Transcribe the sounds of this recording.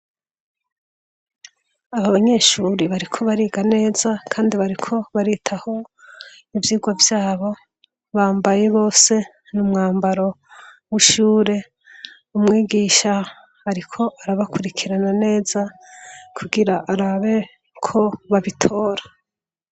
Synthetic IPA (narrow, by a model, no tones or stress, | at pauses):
aβaβaɲe̞ːʃuːɾiβaɾikʰo̞βaɾiːɡane̞ːzakʰaːndiβaɾikʰo̞βaɾitʰaho̞ | ivjiːɡwavjaːβo̞ | βaːmbajeβo̞ːse̞ | numŋaːmbaɾo̞ | wiʃuːɾe̞ | umŋiːɡiːʃa | aɾikʰo̞ʔaɾaβakuɾikʰiɾanane̞ːz̥a | kʰuɡiɾaʔːɾaβe̞ | kʰo̞βaβitʰo̞ːɾḁ